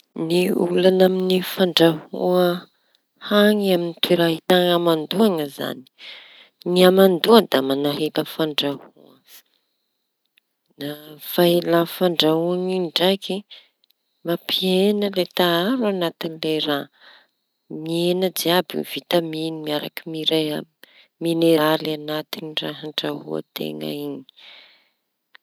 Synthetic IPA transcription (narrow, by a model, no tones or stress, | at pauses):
niulanaminifaɳɖ͡ʐahuə | haŋaminit̪ʰiɾaɦit̪aŋamand̪uaŋəza̰ni̥ | niamand̪uəd̪amanaɦet̪əfaɳɖ͡ʐahṵə | nav̥ajlafaɳɖ͡ʐaɦuaŋiɳɖ͡ʐajki | mapʰienəlet̪aaɾuanat̪inileɾa | nienəd͡ziabiv̥it̪aminimiaɾa̰kimiɾa | mineɾalanat̪iniraɦaɳɖ͡ʐaɦuə̰t̪ḛŋə̰iɲi̥